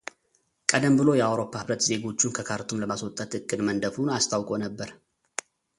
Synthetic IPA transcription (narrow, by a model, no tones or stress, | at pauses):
kʼəd̪əmbɨlo̞jɛawɾo̞pːahɨβɾət̪ze̞ɡo̞t͡ʃːunkʰəkʰaɾt̪ʰumləmaswɔt̪ʼːət̪ɨkʼːɨd̪mənd̪əfunast̪ʰawkʼo̞nəbːəɾ